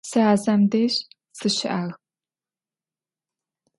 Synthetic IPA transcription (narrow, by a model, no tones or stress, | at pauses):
sɨaːzɐmdeːɕ | sɨɕɪ̰ʔaːɣ